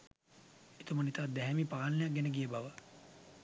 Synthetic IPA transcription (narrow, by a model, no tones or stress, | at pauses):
it̪omənit̪at̪̚d̪ɛɦɛmipaːlnəjak̚ɡɛnəɡijəbaʋə